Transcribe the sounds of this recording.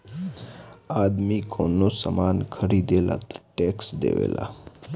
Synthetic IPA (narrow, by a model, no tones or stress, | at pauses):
ad̪mikʰonosəmankʰəɾid̪ela̰t̪ə̥ʈeksd̪ḛʋḛla̰